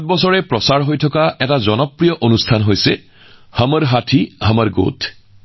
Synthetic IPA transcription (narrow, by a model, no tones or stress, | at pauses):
t̚bɔsɔɹɛpɹɔsaɹɦojtʰɔkaɛtazɔnɔpɹijɔʔonustʰanɦojse | haməɹɦatʰihamaɹɡo̰tʰ